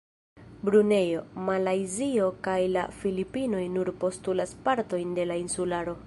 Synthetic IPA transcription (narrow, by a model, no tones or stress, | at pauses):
bɾune̞jo̞malajzio̞kajla̰filipino̞jnuɾpo̞stulaspaɾto̞jnde̞lainsulaɾo̞